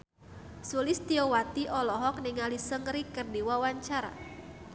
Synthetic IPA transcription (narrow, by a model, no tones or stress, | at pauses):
sulɪst̪iowat̪iʔɔlɔɦɔk̚nɪŋalisəŋɾikərdiwawaɲt͡ʃaɾa̰